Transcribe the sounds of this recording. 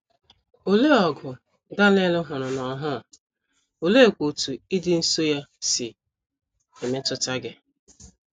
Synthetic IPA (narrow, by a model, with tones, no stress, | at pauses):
o˨le˦ɔ˨ɡʊ˨ | da˦le˦lʊ˦ɦʊ˨ɾʊ˨nɔ˨ɦʊ˦˨ | o˨le˦e˨kʷo˨tu˨i˦dɪ˦n̩˦so˦ja˦sɪ˨ | e˨me˦tʊ˦ta˦ɡɪ˦